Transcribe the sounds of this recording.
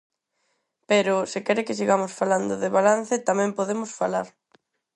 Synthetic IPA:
peɾʊsɪkɛɾɪkɪs̬iɣamʊsfaland̪ʊðɪβalan̟θɪt̪amɛ̃mpoðemʊsfala̰ɾ

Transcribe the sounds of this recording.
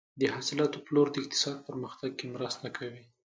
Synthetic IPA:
d̪əhɑsɪlɑt̪oploɾd̪əɪq̚t̪ɪ̥sɑd̪̚pəɾməxt̪aɡ̚kemɾəst̪akʰawi

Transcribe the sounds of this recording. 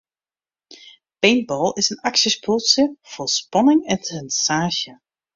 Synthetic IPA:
b̥ejnbɔlˠɪsənaksəspʰʊlˠsjəfospɑnɪŋɛntənsaːʒə

